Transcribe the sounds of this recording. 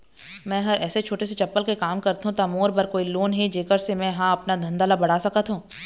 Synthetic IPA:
mɛ̃ːɦɐɾɛːset͡ʃʰoːʈeset͡ʃɐpːəlkekaːmkɐɾt̪ɦũt̪amoːɾbɐɾkoːiloːnɦid͡ʒeːkəɾsemɛ̃ɦãɐpnad̪ʱɐ̃nd̪aːlabɐɽ̤aːsɐkət̪ɦũː

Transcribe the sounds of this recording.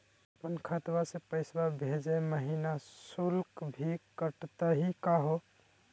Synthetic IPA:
pənkʰət̪wasepəɪsbabʱed͡ʒeməɦinasulkbʱikəʈt̪əɦikaɦo

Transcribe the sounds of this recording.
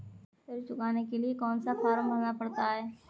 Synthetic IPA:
pʰɪɾt͡ʃʊkaːnekeliekɔːnsafaːɾmbʱəlnapɐɽt̪aɦɛː

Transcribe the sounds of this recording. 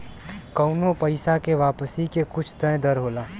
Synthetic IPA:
kɐʊnõpɐɪsakeʋaːpəsikekʊt͡ʃʰt̪ə̃d̪ɐɾɦoːlaː

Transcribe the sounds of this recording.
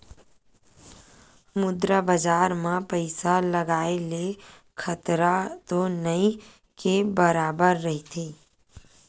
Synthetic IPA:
mʊd̪ɾabəd͡ʒaːɾmãpəɪsaləɡaːele | kʰət̪ɾat̪onəĩ | kebəɾaːbəɾːɐɦit̪ʰiː

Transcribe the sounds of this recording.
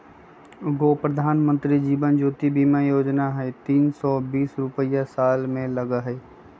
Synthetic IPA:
ɡoːpɾəd̪ʱaːnmə̃nt̪ɾid͡ʒiːbənd͡ʒoːt̪ibiːmãjoːd͡ʒnaɦɛt̪iːnsɔːbiːsɾʊpəjasaːlmẽləɡaɦɛː

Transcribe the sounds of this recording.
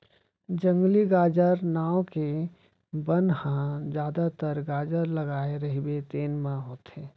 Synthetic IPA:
d͡ʒə̃ŋɡliɡaːd͡ʒəɾnaːõke | bənhãd͡ʒjaːd̪at̪əɾɡaːd͡ʒəɾləɡaːeɾəɦibet̪eːnmãɦoːt̪ɦeː

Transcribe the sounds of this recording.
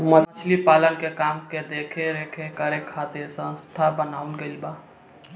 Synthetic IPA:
mət͡ʃʰlipalənkekamked̪ekʰeɾekʰekəɾekʰat̪esə̃st̪ʰabənaːulɡəlba

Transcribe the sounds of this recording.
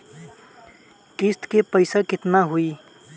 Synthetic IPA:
kɪst̪kepəɪsakɪt̪naɦʊi

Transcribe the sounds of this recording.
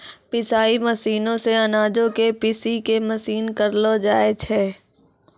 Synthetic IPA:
pɪsaːimɐsiːnõseɐnaːd͡ʒõkepɪsikemɐsiːnkɐɾlod͡ʒaːet͡ʃʰɛː

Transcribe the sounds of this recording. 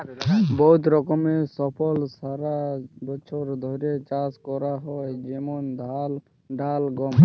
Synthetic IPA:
bɔɦut̪ɾɔkɔmesɔpʰɔlsaɾabɔt͡ʃʰɔɾd̪ʱɔɾiet͡ʃaskɔɾaɦɔed͡ʒemɔnd̪ʱal | ɖalɡɔm

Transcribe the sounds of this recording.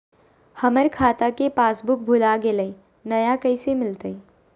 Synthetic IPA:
həməɾkʰaːt̪akepaːsbʊk̚bʱʊlaɡeləi | nɐjakəɪsemɪlt̪əi

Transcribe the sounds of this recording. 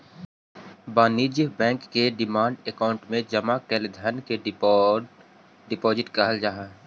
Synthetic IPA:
baːnid͡ʒjbɛ̃ːŋkːeɖɪmaːɳɖekaːʊ̃ɳʈmẽd͡ʒɐmakɛːld̪ʱənke | ɖɪpɔːd͡ʒɪʈkəɦəld͡ʒaɦa

